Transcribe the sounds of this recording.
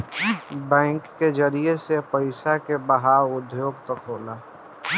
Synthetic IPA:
bɛ̃ːŋkːed͡ʒəɾijesepəɪsakebəɦaʊd̪ʱjoːɡt̪ɐkɦoːlaː

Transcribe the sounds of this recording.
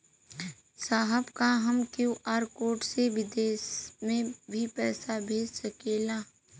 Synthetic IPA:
saːɦəbkaɦəmkjõʔaːɾkoːʈseʋɪd̪eːsmẽbʱipɛːsabʱeːd͡ʒsəkeːlaː

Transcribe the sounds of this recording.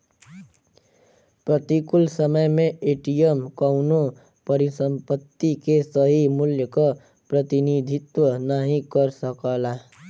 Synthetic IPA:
pɾət̪ikʊlsəməjmẽeːʈijəmkəʊno | pəɾisə̃mpət̪ːikesəɦimʊljəka | pɾət̪inid̪ʱɪt̪wənaɦĩkəɾsəkaːla

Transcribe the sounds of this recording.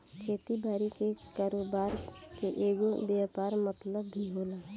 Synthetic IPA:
kʰeːt̪ibaːɾikekaːɾoːbaːɾkeʔeːɡobjaːpaːɾmət̪ləbːʱiɦoːlaː

